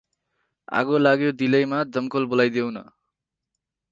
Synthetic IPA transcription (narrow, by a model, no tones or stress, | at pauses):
a̰ɡolaɡjod̪ilʌjmad͡zʌmkolbolajd̪ewnʌ̰